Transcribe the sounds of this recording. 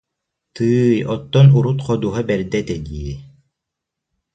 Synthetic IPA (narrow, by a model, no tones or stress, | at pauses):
t̪ɯːjɔt̪ːɔnuɾut̪qʰɔd̪uːɦabɛɾd̪ɛt̪ɛd̪iɛ